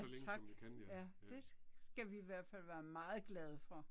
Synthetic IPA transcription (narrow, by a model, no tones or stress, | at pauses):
t͡sʰɑ̈ɡ̥jæd̥e̝sɡ̥æʋiːʋæɐ̰d̥fæl̰ʋæːɐmɑ̈ːð̞̩ˠɡ̥lɛð̞ˠəfɒ̽